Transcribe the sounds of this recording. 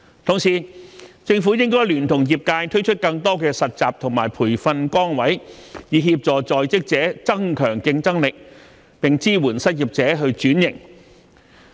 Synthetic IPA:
t̪ʰʊ˨˩ŋsiː˨˩t͡sɪ˧ŋfu˨˥jɪ˥ŋkɔː˥jlyː˨˩nt̪ʰʊ˨˩ŋjiː˨p̚kaː˧jt̪ʰɵ˥ɥt͡ʃʰɵ˥t̚kɐ˧ŋt̪ɔː˥kɛː˧sɐ˨t̚t͡saː˨p̚t̪ʰʊ˨˩ŋmaː˨˩jpʰuː˨˩jfɐ˧nkɔː˥ŋwɐ˨˥jjiː˨˧ɦiː˧p̚t͡sɔː˨˩t͡sɔː˨jt͡sɪ˥k̚t͡sɛː˨˥t͡sɐ˥ŋkʰœː˨˩ŋkɪ˧ŋt͡sɐ˥ŋlɪ˨k̚ | pɪ˨ŋt͡siː˥wuː˨˩nsɐ˥t̚jiː˨p̚t͡sɛː˨˥ɦɵ˧ɥt͡ʃyː˨˥njɪ̰˨˩ŋ

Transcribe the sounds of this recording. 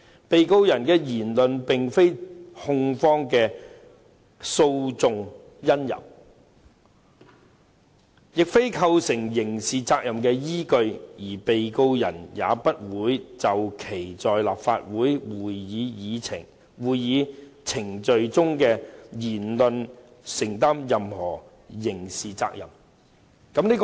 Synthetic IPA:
pe˨jko˧wjɐ˨˩nkɛː˧jiː˨˩nlɵ˨npɪ˨ŋfe˥jhʊ˧ŋfɔː˥ŋkɛː˧ | so˧wt͡sʊ˨˧ŋ | jɐ˥njɐ̰˨˩m | jɪ˨k̚fe˥jkʰɐ˧wsɪ˨˩ŋjɪ˨˩ŋsiː˨t͡saː˧k̚jɐ˨˩mkɛː˧jiː˥kɵ˧ɥjiː˨˩pe˨jko˧wjɐ˨˩njaː˨˧pɐ˥t̚wuː˨˥jt͡sɐ˨wkʰe˨˩jt͡sɔː˨jla̰ː˨pfa̰ː˧t̚wuː˨˥jwuː˨jːiː˨˧jiː˨˧t͡sʰɪ˨˩ŋ | wuː˨jjiː˨˧t͡sʰɪ˨˩ŋt͡ʃɵ˨˧ɥt͡sʊ˥ŋkɛː˧jiː˨˩nlɵ˨˧n | sɪ˨˩ŋt̪aː˥mjɐ˨mhɔː˨˩ | jɪ˨˩ŋsiː˨t͡sa̰ː˧k̚jɐ̰˨m | kɐ˧˥mniː˥k

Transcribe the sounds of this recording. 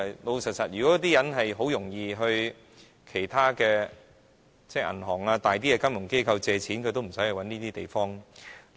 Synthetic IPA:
lo˨˧wsɐ˨t̚sɐ˨t̚jyː˨kɔ˨˥jɔ˨˥t̪iː˥jɐ˨˥nɦɐ˨jɦo˨˥wjʊ˨˩ŋjiː˧ɦɵ˧ɥ | kʰe˨˩jt̪ʰaː˥kɛː˧ | t͡sɛː˥˧˩ʔɐ̰˨˩nɦɔː˨˩ŋaː˧t̪aː˨jt̪̬iː˥ja˧kɐ˥mjʊ˨˩ŋke˥jkʰɐ˧wt͡sɛː˨˧t͡sʰiː˨˥nkʰɵ˨˧t̪o˥wm̩˨˩sɐ˨˥jhɛ˨˧jwɐ˨˥niː˥t̪iː˥t̪e˨jfɔː˥ŋ

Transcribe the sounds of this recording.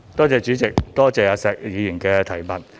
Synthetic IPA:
t̪ɔː˥t͡sɛː˨t͡ʃyː˨˥t͡sɪ˨k̚t̪ɔː˥t͡sɛː˨˧jaː˨˧sɛː˨k̚jiː˨˧jiː˨˩nkɛː˧t̪ʰɐ˨˩jmɐ˨˩t

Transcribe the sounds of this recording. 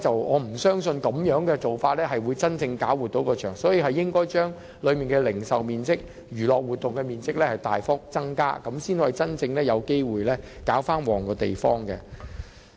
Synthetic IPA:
t͡sɐ˨wʔɔː˨˧m̩˨˩sœː˥ŋsɵ˧nkɐ˨˥mjœː˨˥ŋkɛː˧t͡so˨wfaː˧t̚lɛː˥ɦɐ˨jwuː˨˧jt͡sɐ˥nt͡sɪ˧ŋkaː˨˥wuː˨t̪̚o˨˥wkɔː˧t͡ʃʰœː˨˩ŋsɔː˨˥jiː˨˧ɦɐ˨jːɪ˥ŋkɔː˥jt͡ʃœː˥ŋ | lɵ˨˧ɥmiː˨nkɛ˧lɪ˨˩ŋsɐ˨wmiː˨nt͡sɪ˥k̚ | jyː˨˩lɔː˨k̚wuː˨t̚t̪ːʊ˨ŋkɛː˧miː˨nt͡sɪ˥k̚lɛː˥hɐ˨˩jt̪aː˨jfʊ˥k̚t͡sɐ˥ŋka̰ː˥kɐ˨˥msiː˥n˨˩jt͡sɐ˥nt͡sɪ˧ŋlɛː˥jɐ˨˧wke˥jwuː˨˩jlɛː˥kaː˨˥wfaː˥nwɔː˨˩ŋkɔː˧t̪e˨jfɔː˥ŋkɛ˧

